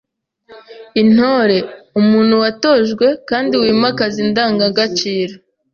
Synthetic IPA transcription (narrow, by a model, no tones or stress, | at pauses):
in̥ho̞ːɾe̞umuːn̥huwato̞ʒɡwe̞kaːndiwiːmakazindaːŋɡaɡat͡ʃiːɾa